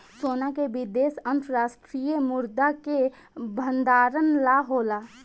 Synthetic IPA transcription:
soːnakebɪd̪eːsə̃nt̪ɾəɾaːsʈɾijəmʊɾd̪ake | bʱənd̪aːɾənlaɦoːlaː

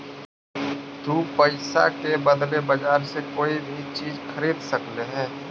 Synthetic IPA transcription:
t̪uːpəɪsa̰kebəd̪lebɐd͡ʒaːɾsekoːibʱit͡ʃiːzxʰɐɾiːd̪sɐkleɦɛ̃ː

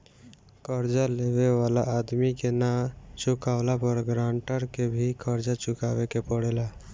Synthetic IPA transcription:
kəɾd͡ʒaleweʋaːlaʔad̪mikenat͡ʃʊkaːʋlapəɾɡɾãːɳʈəɾkebʱikʰəɾd͡ʒat͡ʃʊkaːʋekepəɽeːla

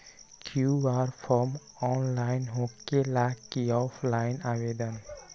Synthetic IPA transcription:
kʰiubaɾpʰɔɾm | ɔnlajnɦokːelakːiɔpʰlajnawed̪ən

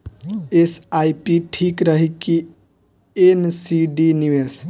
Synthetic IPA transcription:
esajpiʈʰikɾəɦiki | ensiɖiniʋes

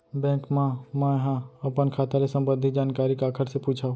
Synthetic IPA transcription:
bɛ̃ːkmãmɛ̃ɦãɐpənkʰaːt̪alesə̃mbə̃nd̪ʱid͡ʒaːnkaːɾikaːkʰəɾsepuːt͡ʃʰao

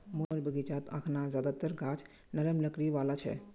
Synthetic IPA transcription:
moɾbəɡit͡ʃaːt̪a̰ːkʰnazjaːd̪at̪əɾɡʱaːd͡ʒ | nɐɾəmləkɾiʋaːlat͡ʃʰɛ̰

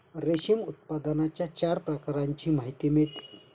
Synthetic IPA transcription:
ɾeɕimut̪̚pad̪anat͡ɕjat͡ɕaɾpɾəkaɾaɲt͡ɕiːmaɦit̪imet̪i

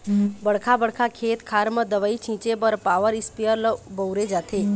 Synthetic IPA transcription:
bɐɽkʰabəɽkʰakʰeːt̪kʰaːɾməd̪əʋəit͡ʃʰĩːt͡ʃebəɾpaːʋəɾɪspijəɾlbəwɾed͡ʒaːt̪ʰeː

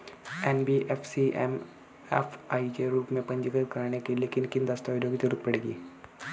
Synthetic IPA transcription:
enbiʔefʰsiʔḛm | ḛfʰɐjd͡ʒeɾuːpmẽpɐɲd͡ʒikɐlkɐɾaɳekileːkinkind̪ɐst̪ɐːɾoːɡit̪eɾut̪ːpɐɽeɡi

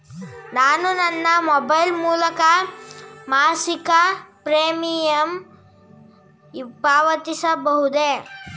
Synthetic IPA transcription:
naːnunɐnːɐmɔbɐjlmuːlɐkɐ | maːsikɐpɾeːmijɐm | paːʋɐt̪isɐbɐɦud̪e

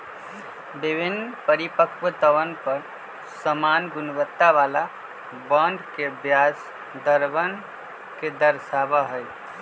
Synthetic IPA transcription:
bibʱinːpəɾipəkwət̪əʋənpəɾ | səmanɡunbət̪ːaʋala | bəɳɖkebjas | d̪əɾbən | ked̪əɾsabaɦəjt̪

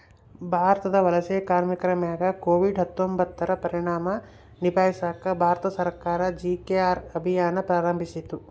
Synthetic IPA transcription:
bʱaːɾɐt̪ɐd̪ɐʋɐlɐseːkaːɾmikɐɾɐmjaːɡɐkoːʋiɖɦɐt̪ːombɐt̪ːɐɾɐpɐɾiɳaːmɐ | nibaːjisaːkɐbʱaːɾt̪ɐsɐɾkaːɾɐd͡ʒikeaːɾɐbʱijaːnɐpɾaːɾɐmbʱisit̪u

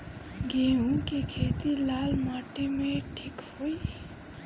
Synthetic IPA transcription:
ɡemũkekʰet̪ilaːlmaʈimẽʈʰikhoj

